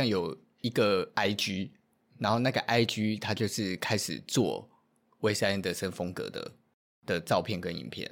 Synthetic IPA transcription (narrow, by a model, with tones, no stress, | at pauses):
a˥˩ŋjo˨˩ʊ | i˧˥ɡə˨a˥ɪt͡ɕy˥ | na˧˥nxo˥˧ʊna˥˩ɡə˩ʔa˦ɪt͡ɕy˥t̪ʰa˥t͡ɕjo˥˧ʊʂɻ̩˥˩kʰa˦ɪʂɻ̩̰˨˩t͡swɔ̰˥˨ | we˥ɪsa˥˧˥nd̪ə˩ʂə˥nfɤ˥ŋkɤ̰˧˥d̪ə̰˩ | d̪̥ə˨t͡sɑ˥˧ʊpʰjɛ˥˩nkə˦nḭ˨˩npʰjɛ̰˥˨˩n